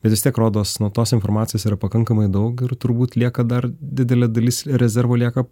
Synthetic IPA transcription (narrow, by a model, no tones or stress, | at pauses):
bʲɛt̪ʋʲɪstʲiɛkɾoːd̪oːsnuɔt̪oːsɪnfoːrmɑːt͡ssʲjoːsiːɾɐpɐkɐŋkɐmɐɪd̪ɐʊkɪrt̪ʊɾbuːt̪lʲiɛkɐd̪ɐrd̪ʲɪd̪ʲɛlʲɛd̪ɐlʲiːsɾʲɛzʲɛrʋoːlʲiɛkɐ